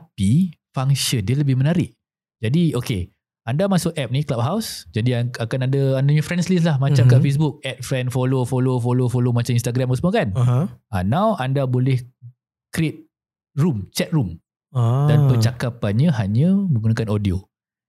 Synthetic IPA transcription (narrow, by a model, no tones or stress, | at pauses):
t̪apifaŋsiəndiələbɪhmənaɾɪʔ̚ | d͡ʒadioke | andamasʊk̚ɛp̚nĩklap̚ɦawsd͡ʒadiaakanadəandaɲãfɾɛnslis̬lahmat͡ʃamkaʔfes̬bʊk̚ɛt̪̚fɾɛndfolofolofolofolomat͡ʃaminst̪aɡɾaməsmokanʔanãwʔandabolɛh | kɾiɪt̪̚ | rumt͡ʃɛt̪̚rum | danpət͡ʃakapanɲaɦaɲãmə̃ŋɡunakanodio